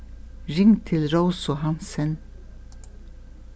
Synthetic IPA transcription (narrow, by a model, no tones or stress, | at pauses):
ɹɪŋt̪ʰɪlɾoʊsʊhɑnsɛn